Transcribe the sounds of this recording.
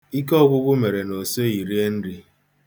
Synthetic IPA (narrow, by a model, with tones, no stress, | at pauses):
i˦kɔ˦ɡʷʊ˦ɡʷʊ˦me˨ɾe˨no˨so˦i˨ɾi˦e˦n̩˦ɾi˦